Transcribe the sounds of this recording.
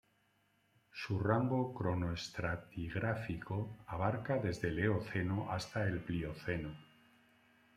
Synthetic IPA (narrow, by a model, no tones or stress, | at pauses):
suraŋɡokɾo̞noest̪ɾat̪iɣɾafiko̞aβ̞aɾkaðe̞zðe̞le̞oθe̞noʔast̪ae̞lplio̞θe̞no